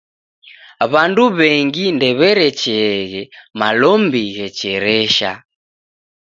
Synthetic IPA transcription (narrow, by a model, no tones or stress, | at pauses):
βanduβɛŋɡindɛβɛɾɛt͡ʃɛɣɛmalɔmbiɣɛt͡ʃɛɾɛʃa